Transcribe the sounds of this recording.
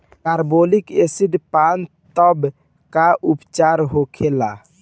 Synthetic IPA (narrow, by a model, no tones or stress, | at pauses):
kaɾbolikesiɖpant̪ɔb | kaʔupt͡ʃaɾɦokʰela